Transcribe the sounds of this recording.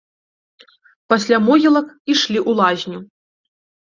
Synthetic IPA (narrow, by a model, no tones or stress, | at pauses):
pɐsʲlʲamɔɣʲilˠɐkiʂlʲiʔulˠazʲnʲu